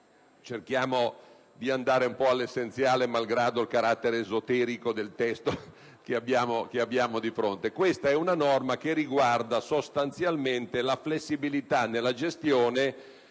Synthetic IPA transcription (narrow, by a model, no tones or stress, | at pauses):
t͡ʃerkjaːmo | d̪iand̪aːɾeumpɔalːesːent̪sjaːlemalɡɾaːd̪oilkaɾat̪ːeɾeːzot̪ɛːɾikod̪elt̪ɛst̪o | keabːjaːmokeabːjaːmod̪ifɾont̪ekwest̪aɛunanɔrmakerːiɡward̪asost̪ant̪sjalment̪elaflesːibilit̪anːelːad͡ʒest̪joːne